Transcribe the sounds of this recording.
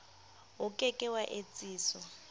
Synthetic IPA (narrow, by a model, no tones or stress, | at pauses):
ɦʊkʼɛkʼɛwaʔet͡sʼiːsɔ